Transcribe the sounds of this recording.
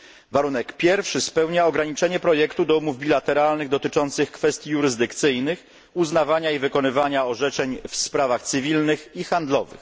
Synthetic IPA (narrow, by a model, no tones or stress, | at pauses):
vaɾunɛkpʲjɛɾfʂɘspɛwɲaɔɡɾaɲit͡ʂɛɲɛpɾɔjɛkt̪ud̪ɔumuvbʲilat̪ɛɾalnɘɣd̪ɔt̪ɘt͡ʂɔnt̪sɘxkfɛst̪ʲjijuɾɘzd̪ɘkt̪sɘjnɘx | uznavaɲaivɘkɔnɘvaɲaɔʐɛt͡ʂɛɲfspɾavaxt̪sɘvʲilnɘxixand̪lɔvɘ̰x